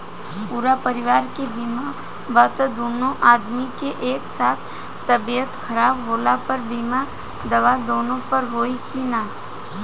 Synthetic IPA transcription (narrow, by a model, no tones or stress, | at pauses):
puːɾapəɾɪʋaːɾkebiːma | bət̪d̪oːnõʔaːd̪mikeʔeːksaːt̪ʰ | t̪ːɐbiət̪kʰɐɾaːbɦoːlapɐɾbiːma | d̪ɐʋad̪oːnõpɐɾɦoːikinaː